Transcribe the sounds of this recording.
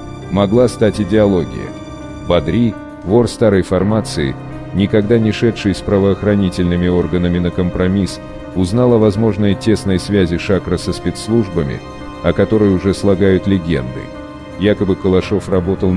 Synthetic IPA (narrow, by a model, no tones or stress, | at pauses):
mɐɡlˠast̪atʲɪdʲɪɐlˠo̞ɡʲɪ̰jə̰ | bɐd̪ɾʲi | vo̞rst̪aɾəjfɐrmat̪sɨɪ̰ | nʲɪkɐɡd̪anʲɪʂɛtʂɨjspɾəvəːxɾɐnʲitʲɪlʲnɨmʲɪo̞rɡənəmʲɪnəkəmpɾɐmʲis | ʊznalˠɐvɐzmo̞ʐnəjtʲe̞snəjsvʲæzʲɪʂakɾəsəspʲet̪slˠuʐbəmʲɪ̰ | ɐkɐt̪o̞ɾɨjʊʐɛslˠɐɡajʊt̪lʲɪɡʲḛnd̪ɨ̰ | jakəbɨkəlˠɐʂo̞frɐbo̞t̪əlˠ